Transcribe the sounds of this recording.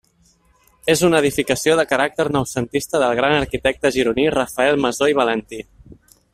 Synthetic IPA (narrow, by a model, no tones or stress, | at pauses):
ezunəðifikəsioðəkəɾak̚t̪əɾnəwsənt̪ist̪əðəlˠɣ̞ɾanəɾkit̪ɛk̚t̪əʒiɾunirəfəɛlˠməzoiβ̞ələnt̪i